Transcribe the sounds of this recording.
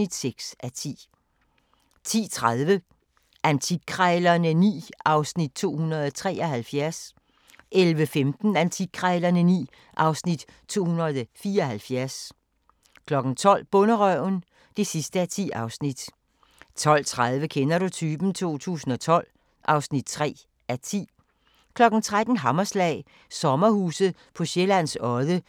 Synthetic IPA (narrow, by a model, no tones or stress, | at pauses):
id̥seɡ̥sʔæt͡sʰḭː | t͡sʰḭːt͡sʰʁaðˠʋə | ʔænt͡sʰiɡ̥̚kʰʁaɪlɐnənḭːɑ̈ʊsnid̥̚t͡sʰo̝̰ːhunɐðˠt͡sʰʁɛ̰ːɒ̽hælfjæɐs | ʔelʋəfemd̥n̩ænt͡sʰi̥kʰʁɑɪlɐnənḭː | ʔɑ̈ʊsnid̥ | t͡sʰo̝̰ːhunɐð̩ˠfiːɐɒhælfjæɐs | kʰlɒ̽ɡ̥n̩t͡sʰɒ̽l̰b̥ɔnəʁœʊn | d̥e̝sisd̥əæt͡sʰḭːɑ̈ʊsnid̥ | t͡sʰɒ̽l̰t͡sʰʁað̞ˠʋəkʰenɐɾ̥ut͡sʰyːb̥n̩t͡sʰo̝̰ːt͡sʰṵːsn̩ɒ̽t͡sʰɒ̽l̰ | ʔɑ̈ʊsnid̥̚t͡sʰʁɛ̰ː | æt͡sʰḭː | kʰlɒ̽ɡ̥n̩t͡sʰʁad̥n̩ɦɑmɐslɛ̰ːɪ | sɒ̽mɐhṵːsð̩ˠ | pʰɒ̽ɕelæn̰sɒ̽ðˠə